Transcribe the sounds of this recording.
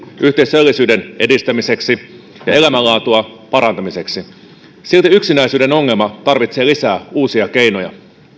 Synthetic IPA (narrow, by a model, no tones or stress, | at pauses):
ʔyht̪eisølːisyːde̞ne̞dist̪æmise̞ksi | jɑ̰e̞læmælɑːt̪uɑ | pɑɾɑnt̪ɑmise̞ksi | silt̪iyksinæjsyːde̞no̞ŋːe̞lmɑt̪ɑrʋit̪se̞ːlisæːuːsiɑk̟e̞jnojɑ̰